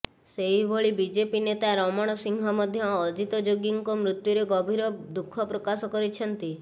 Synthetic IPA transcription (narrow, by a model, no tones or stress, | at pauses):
seɦibʱoɭibid͡ʒepinet̪aɾɔmɔɽ̃ɔsiŋɡʱɔmɔd̪ʱjɔːd͡ʒit̪ɔd͡ʒoɡiŋkɔmɾut̪juɾeɡɔbʱiɾɔd̪ukʰːɔpɾokasɔkɔɾit͡ʃʰɔnt̪i